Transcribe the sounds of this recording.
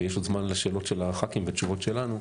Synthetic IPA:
jeʃodzmanleʃe̞ːlo̞tʃelaχakimvet͡ʃuvo̞tʃe̞lanu

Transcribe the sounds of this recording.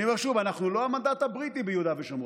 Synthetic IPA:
imeʁʃuvanaχnulo̞amand̪at̪abʁit̪ibejud̪aveʃam

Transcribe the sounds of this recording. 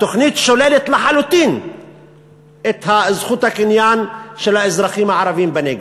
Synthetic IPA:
t̪oχnit̪ʃolelet̪laħalut̪in | et̪hazχut̪hakinjanʃelaezɾaχimhaʕaɾavimbeneɡe

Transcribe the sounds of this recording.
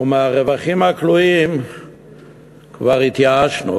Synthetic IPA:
umeaʁevaχimhakluim | kvaʁit̪jaaʃnṵ

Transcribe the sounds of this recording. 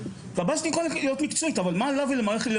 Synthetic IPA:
vabaʃtijeχollijot̪mikt͡soitavalmaːlavilemaʁeχetle

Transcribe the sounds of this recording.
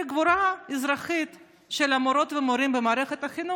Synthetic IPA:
ɡvuɾaizɾaχit̪ | ʃelamoɾo̞t̪vemoɾimbemaːɾeχet̪aχinu

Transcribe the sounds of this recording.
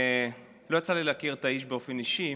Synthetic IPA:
lojat͡salilakiʁet̪aiʃ̬be̞o̞feniʃi

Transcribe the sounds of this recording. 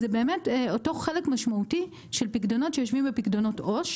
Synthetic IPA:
zebeːme̞teoto̞χχelekmaʃmauti | ʃelpikdono̞tʃejo̞ʃvimbepikdono̞to̞ʃ

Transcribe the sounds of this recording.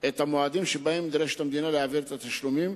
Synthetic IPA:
e̞t̪amoad̪imʃebaemːid̪ɾeʃet̪amd̪inaleaviɾet̪at̪aʃlumim

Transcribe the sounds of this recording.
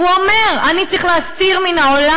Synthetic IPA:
uomeʁanit͡saʁiχleast̪iʁminaola

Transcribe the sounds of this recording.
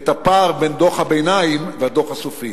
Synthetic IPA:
t̪apaʁbend̪oχhabejnaimvehad̪oχhasofi

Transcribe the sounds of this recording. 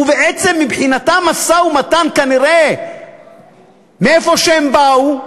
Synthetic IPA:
uveʔet͡semːibħinat̪amasaumatankaniʁe | meefo̞ʃeembau

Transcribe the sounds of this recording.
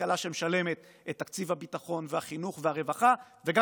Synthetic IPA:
alaʃemeʃale̞met̪ | et̪ːakt͡sivhabitaχo̞nveaχinuχveaʁe̞vaχa | veɡa

